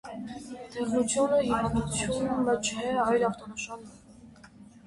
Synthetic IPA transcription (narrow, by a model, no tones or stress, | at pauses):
t̪ʰɛχnut͡sʰjunəɦivɑnd̪ut͡sʰjunmət͡ʃʰɛɑjlɑft̪ɔnəʃɑnɛ